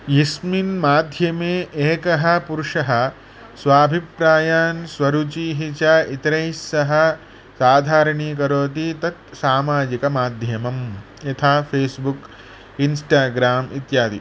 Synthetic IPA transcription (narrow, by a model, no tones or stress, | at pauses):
jisminmaːd̪ʱjɐmeːʔeːkɐɦɐ̆puɾʂɐɦɐ̆ | sʋaːbʱipɾaːjaːnsʋɐɾut͡ʃiːɦit͡ʃait̪ɾɐjsːɐɦɐ̆ | saːd̪ʱaːɾɐɳiːkɐɾoːt̪̬it̪ɐt̪saːmaːd͡ʒikɐmaːd̪ʱjɐmɐm | jɐt̪ʰaːpʰeːsbuk | insʈaːɡɾaːmit̪jaːd̪ḭ